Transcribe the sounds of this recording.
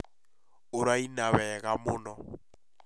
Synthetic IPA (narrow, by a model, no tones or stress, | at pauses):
ʊɾainawɛɣamʊːnɔ